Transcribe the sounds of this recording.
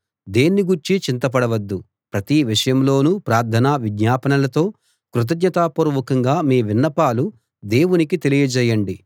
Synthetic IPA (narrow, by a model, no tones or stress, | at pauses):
d̪eːnːiɡuɾt͡ʃit͡ʃint̪ɐp̬ɐɽɐʋɐd̪ːu | pɾɐt̪iʋiʂɐjɐmlo̞ːnupɾaːɾd̪ʰʱɐnaːʋid̪ɲaːpɐnɐlɐt̪o̞ː | kɾut̪̬ɐd̪ɲɐt̪aːpuɾʋɐkɐŋɡaːmiːʋinːɐpaːlu | d̪e̞ːwunikit̪e̞lijɐd͡ʒɛːjɐɳɖi